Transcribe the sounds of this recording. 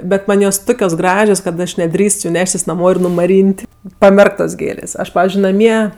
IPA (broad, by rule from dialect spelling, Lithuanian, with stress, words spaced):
bʲɛt ˈmɐnʲ joːs ˈtʊkʲoːs ˈɡrɑːʒʲoːs kɐt ˈɐʃ nʲɛˈdʲrʲiːst jʊ ˈnʲæːʃʲtʲɪs nɐˈmoː ɪr nʊmɐˈrʲiːnʲtʲ pɐˈmʲɛrktoːs ˈɡʲeːlʲeːs ˈɐʃ ˈpɑːʋʲɪzʲd͡ʒʲʊɪ nɐˈmʲiɛ